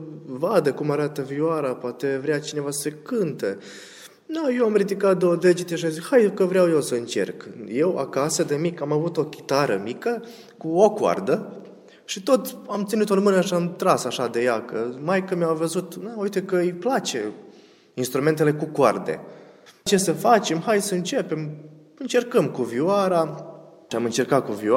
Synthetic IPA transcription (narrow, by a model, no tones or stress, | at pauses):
vad̪əkumaɾat̪əviaɾapoat̪evɾeat͡ʃine̞vasekɨnt̪ə | d̪ajewamrid̪ikat̪̚d̪od̪ed͡ʒit̪eʃiamzikhajd̪ukəvɾeawjewsəɨnt͡ʃe̞̰rkje̞wa̰kasəd̪emikamavut̪o̞kʲi̥t̪aɾə̰mikə | kuokwa̰rd̪ə | ʃit̪o̞t̪amt̪sinit̪ormɨnəʃiamt̪ɾasaʃad̪e̞jakəmajkɨnmjawvəzut̪naujt̪e̞kəɨjplat͡ʃe̞̰ | inst̪ɾume̞nt̪e̞le̞kukwa̰rd̪e̞̰ | t͡ʃe̞səfat͡ʃe̞mhajsəɨnt͡ʃe̞pe̞m | ɨnt͡ʃe̞rkəmkuviwaɾa | iamɨnt͡ʃe̞rkat̪̚kuvia